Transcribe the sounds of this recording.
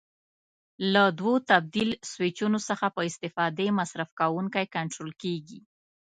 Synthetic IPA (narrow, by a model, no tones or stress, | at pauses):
lad̪wot̪ab̚d̪ilswɪt͡ʃunosəxapəɪst̪ɪfɑd̪emasɾafkawuŋkajkaɳʈɾolkeɡi